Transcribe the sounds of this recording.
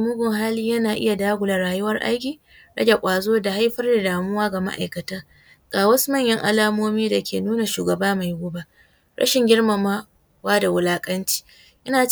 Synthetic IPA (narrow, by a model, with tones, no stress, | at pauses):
mʊ˦ɡʊ˨ŋɦaː˦liː˦jɐ˦naː˨ʔɪ˦ja˨daː˦ɡʷʊ˨la˨ɽaː˨jʊ˦wɐ˦rʔa̰˦jɡʲiː˨ | ɽɐ̰˦ɡʲa˨kʷʼaː˨zoː˦da˨ha˦jɸɐ˦rda˨daː˨mʊ˦waː˦ɡa˨ma̰˦ʔa̰˨jkɐ˨taː˦ | kʼaː˨wɐ˦smɐ˦˨ɲjɐ˦ŋʔa̰˨laː˦moː˦miː˦da˨kʲʰḛː˨nuː˦na˨ʃuː˨ɡɐ˨baː˦ma˨jɡʊ˦ba˨ | ɽɐ̰˦ʃɪ˨ŋɡʲɪ˦ɽma˨maː˦ | waː˦da˨wʊ˨laː˦kʼɐ˦nt͡ʃi̥ː˦ | ʔɪ˦naː˨